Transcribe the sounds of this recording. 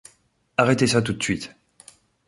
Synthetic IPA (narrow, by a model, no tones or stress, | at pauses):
aʁɛt̪esat̪ut̪sɥit̪